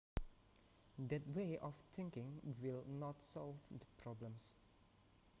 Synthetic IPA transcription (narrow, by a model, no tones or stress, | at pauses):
dɛt̚weʔɔft̪ʰɪ̃ŋkɪ̃ŋwilnɔtsɔlvdəpʰɹɔblə̃ms